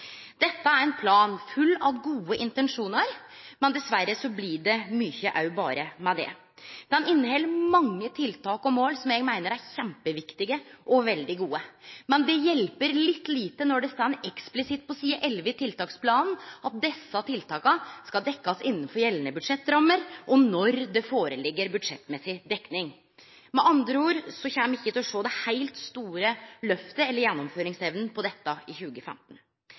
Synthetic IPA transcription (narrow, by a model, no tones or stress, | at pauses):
d̪̥ɛt̪ːəæɾɛnpʰlɑːnfʉlːɑʋɡuːəʔɪnt̪ɛnʂuːnəɾmɛnd̪ɛsʋæɾːəsɔblɪɖɛmyçəʔɑʉbɑ̰ːɾəmɛd̪ɛ̰ | d̪̥ɛnɪnːhɛlːəmɑŋːət̪ʰɪlt̪ʰɑːkɔmoːlsɔmjɛɡmæɪnəɾæɾçɛmpəʋɪkt̪ɪɡəʔɔʋɛld̪ɪɡuːəmɛnd̪ɛjɛlpəɾlɪt̪ːliːt̪ənɔɖɛst̪ɑnʔɛksplɪsɪt̪̚pʰɔsiːəʔɛlʋɪt̪ʰɪlt̪ɑːkspʰlɑːnn̩ɑt̪̚d̪ɛsːɑt̪ʰɪlt̪ʰɑːkɑskɑd̪ɛkːɑsɪnːənfɔɾjɛlːənəbʉd̪ʂɛt̪ːɾɑmːəɾʔɔnɔɾd̪ɛfoːɾəlɪɡːəɾbʉd̪ʂɛt̪ːmɛsɪd̪ɛkːnɪŋ | mɛʔɑnd̪ɾəuːɾsɔçæːmməɪçːət̪ɪlɔʂoːd̪ɛhaɪlt̪st̪uːɾəlœft̪əɛlːəɾjɛnːɔmføːɾɪŋsɛʋnn̩pʰɔd̪ɛt̪ːɑɪçʉːɡəfɛ̰mt̪n̩